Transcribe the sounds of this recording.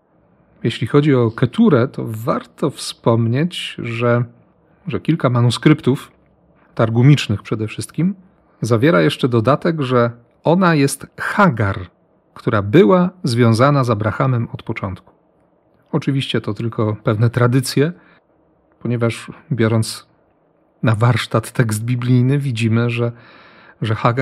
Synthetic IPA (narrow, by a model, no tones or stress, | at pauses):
jɛɕlʲixɔd͡ʑiɔkɛt̪uɾɛt̪ʰɔ̰vaɾt̪ɔfspɔmɲet͡ɕʐɛ | ʐɛkʲilkamanuskɾɘpt̪uf | t̪aɾɡumʲit͡ʂnɘxpʂɛd̪ɛfʂɘst̪kʲim | zavʲjɛɾajɛʂt͡ʂɛd̪ɔd̪at̪ɛɡʐɛ | ɔnajɛst̪xaɡaɾ | kt̪uɾabɘwazvʲjɔ̃w̃zanazabɾaxamɛmɔt̪pɔt͡ʂɔnt̪ku̥ | ɔt͡ʂɘvʲiɕt͡ɕɛt̪ɔt̪ɘlkʰɔpɛvnɛt̪ɾad̪ɘt̪sʲjɛ | pɔɲɛvaʐbʲjɔɾɔnt̪s | navaɾʂt̪at̪ːɛkzd̪̚bʲiblʲijnɘvʲid͡ʑimɘʐɛ | ʐɛxaɡa